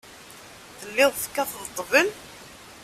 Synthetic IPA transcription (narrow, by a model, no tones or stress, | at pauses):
θəlːɪðˤfkːæθðt̪ˤːvəl